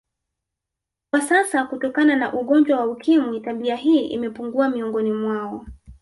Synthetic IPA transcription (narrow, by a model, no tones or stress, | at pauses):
kwasasakutɔkananaʔuɠɔnd͡ʒwawaukʰimwitaɓiaɦiːʔḭmɛpuŋɡuamiɔŋɡɔnimwaɔ